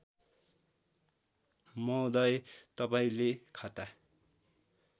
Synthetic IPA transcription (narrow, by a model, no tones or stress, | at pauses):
mʌd̪ʌjt̪ʌpaĩlekʰat̪a